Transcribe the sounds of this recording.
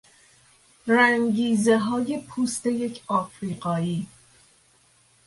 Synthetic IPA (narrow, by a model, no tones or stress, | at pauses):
ɾæŋɟiːzeɦɒːje̞pʰuːst̪e̞je̞cʰɒːfɾiːɢɒːiː